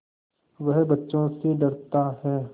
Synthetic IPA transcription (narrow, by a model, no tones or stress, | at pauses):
ʋɐɦbɐtːʃõseɖɐɾt̪aɦɛː